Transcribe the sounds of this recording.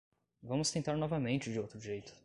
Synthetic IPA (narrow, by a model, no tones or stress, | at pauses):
vɐ̃mʊst̪ẽnt̪aɾnɔvɐmẽnt͡ʃɪd͡ʒɪowt̪ɾʊʒejt̪ʊ̥